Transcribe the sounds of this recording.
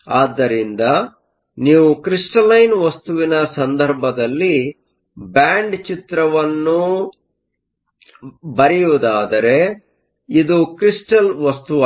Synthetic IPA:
aːd̪ːɐɾind̪ɐ | niːʋukɾiʂʈɐlɐjnʋɐst̪uʋinɐsɐnd̪ʱɐɾbʱɐd̪ɐlːi | baːɳɖt͡ʃit̪ɾɐʋɐnːu | bɐɾɛjuʋud̪aːd̪ɐɾe̞ | id̪ukɾisʈɐlʋɐst̪uʋ

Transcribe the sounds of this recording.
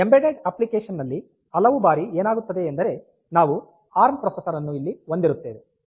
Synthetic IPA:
embeɖeɖɐplikeːʂɐnːɐlːi | ɐlɐʋubaːɾieːnaːɡut̪ːɐd̪e̞ːnd̪ɐɾe̞ | naːʋu | aːɾmpɾɔːsɐsɐɾɐnːuilːiɦond̪iɾut̪ːeːʋe

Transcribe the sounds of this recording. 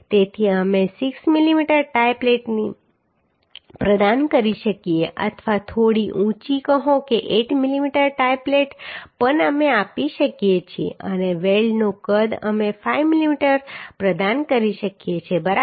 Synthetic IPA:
t̪et̪ʰiəmesɪksmilimiʈəɾʈajpleʈni | pɾəd̪ankəɾiʃəkieʔə̰t̪ʰʋat̪ʰoɽiʔũt͡ʃikəɦõkeʔeʈmilimiʈəɾʈajpleʈpənəmeapiʃəkjet͡ʃʰiḛʔəneʋeɭɖnokəd̪ə̰mefaijʋmilimiʈəɾpɾəd̪ankəɾiʃəkijet͡ʃʰebəɾa

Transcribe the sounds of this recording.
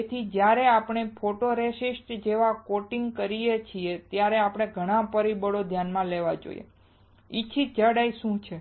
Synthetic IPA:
et̪ʰid͡ʒjaɾeapəɽ̃epʰoʈoɾeʃisʈd͡ʒeʋakoʈiŋɡkəɾijet͡ʃʰiet̪jaɾeapɽ̃eɡʱəɽ̃ãpəɾibəɽod̪ʱjanmãleʋad͡ʒo̰ij̰ḛ | it͡ʃʰid͡ʒəɽaiʃũt͡ʃʰe

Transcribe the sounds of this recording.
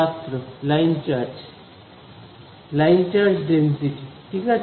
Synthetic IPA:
ast̪ɾulajnt͡ʃa | lajnt͡ʃaɾʈɖensiʈiʈʰika

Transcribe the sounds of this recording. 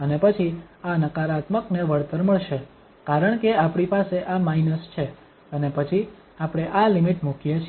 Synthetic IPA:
ənepət͡ʃʰianəkaɾat̪məkneʋəɭt̪əɾməɭʃe | kaɾəɳ̃keapɽ̃ipaseʔamainəst͡ʃʰe | ənepət͡ʃʰi | apɽ̃eʔalimiʈmukjet͡ʃʰ

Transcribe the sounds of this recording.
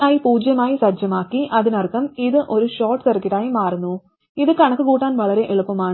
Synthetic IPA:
ɐjipuːd͡ʑjɐmaːjisɐd͡ʑjɐmaːkːiʔɐðinɐrkːɐmiðɨʔo̞ɾuɕo̞ːʈːɨsɐrkɐʈːaːjimaːrunːu | iðɨkɐɳɐkːɨkuːʈːaːnʋɐɭɐɾe̞ʔeɭupːɐmaːɳ

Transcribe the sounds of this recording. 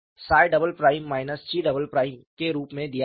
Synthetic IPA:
saːjɖɐbəlpɾaːɪmːaːɪnəst͡ʃiɖɐbəlpɾaːɪmkeɾuːpmẽd̪ija

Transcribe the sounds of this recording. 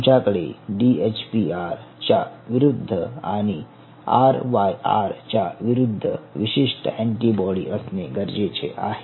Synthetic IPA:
t͡ʃakɭḛɖiet͡ʃpiaɾt͡ʃaʋɪɾʊd̪ʱːəa̰ni | aɾʋaja̰ɾt͡ʃaʋiɾʊd̪ʱːəʋɪʃiʂʈəɛ̃ɳʈibɔɽiəsneɡəɾd͡ʒet͡ʃʰḛʔa̰ɦe

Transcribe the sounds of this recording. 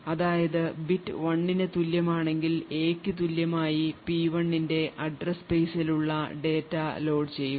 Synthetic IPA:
ɐðaːjɐðɨbitːɨʋɐɳːinɨt̪uljɐmaːɳe̞ŋɡile̞ːkːɨt̪ulːjɐmaːjipiːʋɐɳːinde̞ʔɐɖrɐspejsiluɭːɐɖe̞ːtːɐlo̞ːɖt͡ɕe̞jːu

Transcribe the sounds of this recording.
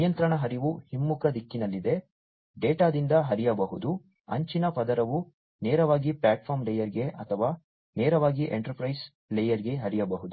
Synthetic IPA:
jɐnt̪ɾɐɳɐɦɐɾiʋuhimːukɐd̪ikːinɐlːid̪e | ɖeːʈaːd̪ind̪ɐɦɐɾijɐbɐɦud̪u | ɐ̰ɲt͡ʃinɐpɐd̪ɐɾɐʋu | nɛːɾɐʋaːɡiplaːʈpʰaːɾmlɛjɐɾiɡe̞ʔɐ̰t̪ʰɐʋaː | nɛːɾɐʋaːɡiʔḛɳʈɐɾpɾɐjs | lejɐɾiɡe̞ɦɐɾijɐbɐɦud̪u

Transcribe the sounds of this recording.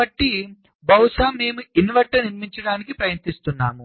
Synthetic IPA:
ɐʈːi | bɐwʂaːme̞ːmuinʋɐʈːɐniɾmiɲt͡ʃɐɽaːnikipɾɐjɐnt̪ist̪unːaːmu

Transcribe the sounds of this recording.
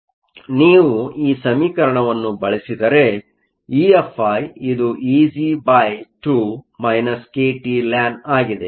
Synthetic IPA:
niːʋuiːsɐmiːkɐɾɐɳɐʋɐnːubɐɭisid̪ɐɾe̞ | iːepʰːajid̪uʔiːzibajʈumɐjnɐskeːʈilaːnaːɡid̪e̞

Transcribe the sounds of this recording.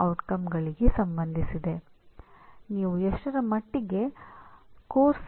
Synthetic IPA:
ɐwʈkɐmɡɐɭiɡesɐmbɐnd̪ʱisid̪e̞ | niːʋueʂʈɐɾɐmɐʈːiɡe̞ | koːɾs

